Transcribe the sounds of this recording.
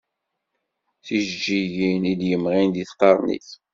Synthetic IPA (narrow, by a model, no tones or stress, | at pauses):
θiʒd͡ʒiʝiniljəmʁind̪iθqɑɾˤnḭθ